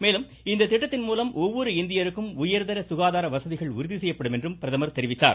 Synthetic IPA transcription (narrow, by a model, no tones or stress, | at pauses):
meːlɯm | ɪnd̪ɐt̪ːɪʈːɐt̪ːɪnmuːlɐmʔɔʋːɔɾɯɪnd̪ɪjɐɾɯkːɯmʊjɐɾðɐɾɐsʊɣaːðaːɾɐʋɐsɐðɪɣɐɭʊɾʊðisɛjːɐpːɐɽɯmɛndrɯmpɪɾɐðɐmɐɾt̪ɛɾɪʋɪt̪ːa̰ːɾ